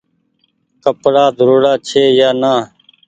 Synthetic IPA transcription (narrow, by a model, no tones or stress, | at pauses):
kəpɽaːd̪ʱəɾoːɽaːt͡ʃʰeːjaːnaː